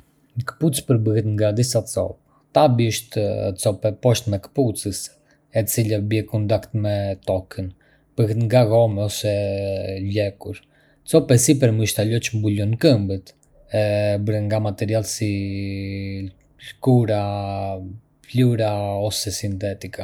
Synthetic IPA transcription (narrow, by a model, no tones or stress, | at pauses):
əkə̥put͡spəɾbəhɛt̪ŋɡad̪isat͡sɔ̰p | t̪abiəʃt̪t͡sɔpɛpɔʃt̪mɛkə̥put͡səs | ɛt͡silabjɛkund̪akt̪mɛt̪ɔkʰən | b̥əhɛt̪ŋɡaɣɔmɛɔsɛ | lɛkuɾ | t͡sɔpɛsipəɾmiʃt̪alɔt͡ʃmbulɔnkəmbət̪ | ɛbəɾɛŋɡamat̪ɛɾialsi | lkuɾa | pluɾaɔsɛsint̪ɛt̪ika